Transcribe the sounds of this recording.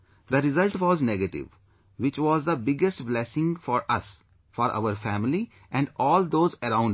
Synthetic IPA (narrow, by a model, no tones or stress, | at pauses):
d̪əɾɪzəlʈʋɔːznɛɡəʈɪ̰ʋ | ʋɪt͡ʃʋɔːzd̪əbɪɡesʈblɛsɪ̃ŋɡfɔːɾɐs | fɔːɾʔa̰ʊəɾfæ̃ːmɪli | ʔɛ̃ɳɖɔːld̪oːzəɾãʊ̃ɳ